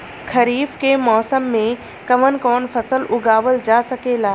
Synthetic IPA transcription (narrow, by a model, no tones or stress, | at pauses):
kʰɐɾiːfkemɔːsəmːẽ | kɐʋənkɔːnfɐsəlʊɡaːʋəld͡ʒaːsɐkelaː